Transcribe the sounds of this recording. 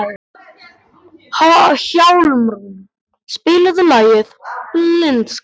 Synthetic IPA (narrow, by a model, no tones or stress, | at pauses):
haçawlmɾ | spɪːlʏðʏlaːjɪðnɪns